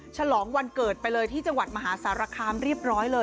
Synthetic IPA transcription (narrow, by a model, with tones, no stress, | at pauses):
t͡ɕʰa˧lɔː˩˦ŋwa˧nkɤː˨˩t̪̚pa˧jlɤː˧jt̪ʰiː˥˩t͡ɕa˧ŋwa˨˩t̪̚ma˧ɦaː˩˦saː˩˦˥ɾaː˧kʰaː˧mɾi˥˩əp̚ɾɔː˦˥jlɤː˧